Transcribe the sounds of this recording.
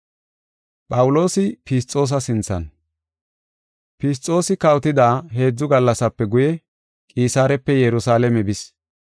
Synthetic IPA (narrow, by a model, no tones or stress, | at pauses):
pʼɐwʊlo̞ːsɪpɪs̬tʼːo̞ːs̬ɐsɪnt͡sːɐ̰n | pɪs̬t͡sʼːo̞ːsɪkɐwt̪ɪd̪aːɦe̞ːd͡zːʊɡɐlːɐsɐpːɛɡʊjɛ | kʼiːsaːɾɛpːɛjɛɾʊsaːlɛmɛbɪs